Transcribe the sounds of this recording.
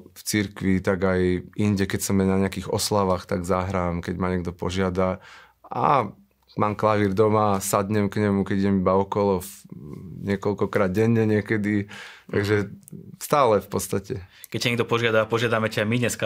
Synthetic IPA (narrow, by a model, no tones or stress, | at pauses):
ft͡siɾkʋit̪aɡajiɲɟɛkɛcsɔmjɛɲnaɲɛakiɣɔ̰slaʋaxt̪aɡzaɦɾaːmkɛɟmaɲɛɡ̚d̪ɔpɔʒɪad̪a | a̰ | maːmklaʋiːɾd̪ɔmasad̪ɲɛmkɲɛmukɛɟiɟɛmibaɔkɔlɔ | ɲɪɛkɔlkɔkɾaːd̪̚ɟɛɲːɛɲɪɛkɛd̪it̪a̰ɡʒɛst̪aːlɛfpɔt̪st̪acɛkɛcːaɲɛɡ̚d̪ɔpɔʒɪad̪apɔʒɪad̪amɛcaajmidɲɛska